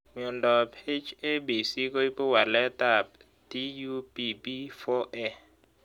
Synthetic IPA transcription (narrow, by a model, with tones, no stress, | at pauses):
ɲɔ˨ndʱɔ˨pʰe˦d͡ʒe˦ɓe˨si˦kɔ˦i˦pʼɔ˦wa˨lɛ˦tʼa˦˨p̚ | d̥i˦ju˦bi˦bi˦fɔ˦ʔɛ˦